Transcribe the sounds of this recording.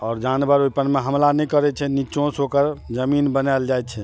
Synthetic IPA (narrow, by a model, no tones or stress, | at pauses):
ɔːɾd͡ʒanbəɾojpənmeɦəmlanɛkəɾɛt͡ʃʰɛnit͡ʃõsokəɾd͡ʒəminbənald͡ʒajt̪t͡ʃʰɛ